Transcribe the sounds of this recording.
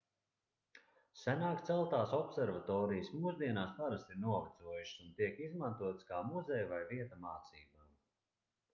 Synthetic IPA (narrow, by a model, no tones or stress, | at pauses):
sænaːkt̪sɛlˠt̪aːsɔpsɛɾvat̪ɔːɾijsmuzd̪iɛnaːspaɾast̪iɾnuɔvat̪suɔjuʃsunt̪iɛkizmant̪uɔt̪skaːmuzɛjvajviɛt̪amaːt̪siːbam